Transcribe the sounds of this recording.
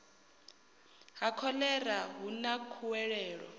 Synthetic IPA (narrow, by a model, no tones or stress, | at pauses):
ɦakʰɔlɛraɦunakʰuwɛɺɛːɺɔ̰